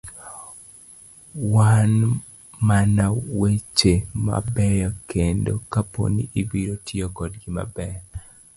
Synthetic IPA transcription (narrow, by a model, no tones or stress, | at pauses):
wan | manawet͡ʃema̰bɛjɔkʰendo̰kapo̰niʔibiɾotʰiokɔdɡima̰bɛ